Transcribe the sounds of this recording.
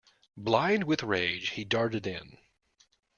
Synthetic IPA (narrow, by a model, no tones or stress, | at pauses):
blãɪ̃nd̚wɨðɹeɪ̥ʒ̥hidɑɹɾɨɾɪ̰̃n